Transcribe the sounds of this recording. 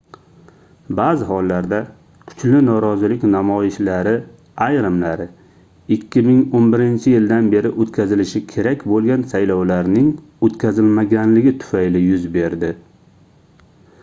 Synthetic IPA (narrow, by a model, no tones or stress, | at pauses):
bazɪhɒlˠːaɾd̪a | kʰʊ̥t͡ʃlɪnɒɾɒzɪlɪkʲnamɒjɪʃlaɾɪ | ajɾamlaɾɪ | ɪkʲʰːɪmɪŋonbɪɾɪnt͡ʃʰɪjɪld̪anbe̞ɾɪʔot̪kʲʰazɪlɪʃɪkʲʰe̞ɾakʲbolˠɡʲansajlɒwlaɾnɪŋ | ot̪kʲʰazɪlmaɡʲanlɪɡʲɪt̪ʰʊ̥fajlɪjʊzbe̞ɾd̪ɪ